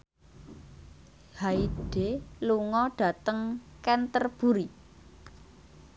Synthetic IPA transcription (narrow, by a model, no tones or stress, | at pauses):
haiɖ̥eluŋɔɖ̥ä̤t̪əŋkɛnt̪ərb̥ṳɾi